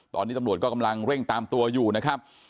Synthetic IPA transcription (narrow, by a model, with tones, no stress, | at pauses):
t̪ɔː˧nː˦˥˩mɾu˨˩ət̪̚kɔː˥˩ka˧mla˧ŋɾe˥˩ŋt̪aː˧mt̪u˧ɐjuː˨˩na˦˥kʰa˦˥p̚